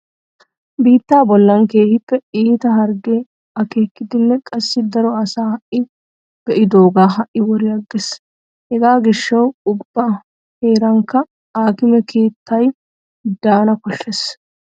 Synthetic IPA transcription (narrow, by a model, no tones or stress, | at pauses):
biːt̪ːaːbɔlːɐŋke̞ːhɪpːɛiːt̪ɐɦɐɾɡeː | ɐke̞ːkːɪd̪ɪnːɛkʼɐsːɪd̪ɐɾɔɐsaːhɐʔɪ | ɡ̥ɛʔɪd̪o̞ːɡaːɦɐʔːɪwɔɾɪjɐɡːɛs | hɛɡaːɡɪʃːɐwʊbːɐ | heːɾɐŋkːɐ | aːkɪmɛkʰe̞ːt̪ːɐj | d̪aːnɐkɔʃːɛs